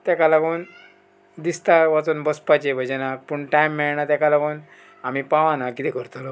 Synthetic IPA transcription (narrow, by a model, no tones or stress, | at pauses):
t̪jakalaɡon | d̪ist̪aʋat͡s̪uːnbəspat͡ɕebʱəd͡ʑenapuɳʈajmːɛɭnat̪jakalaɡon | amipãʋãnakit̪ɛkəɾt̪olɔ